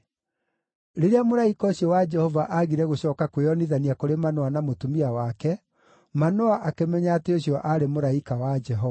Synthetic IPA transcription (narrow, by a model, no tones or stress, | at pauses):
ɾeɾeamoɾaikɔoɕjɔwad͡ʒɛhɔvaʔaɣiɾɛɣoɕɔːkakweɔniðaniakoɾemanɔanamotumiawakɛ | manɔaʔakemɛɲaːteoɕjɔʔaɾemoɾaikawad͡ʒɛɦɔva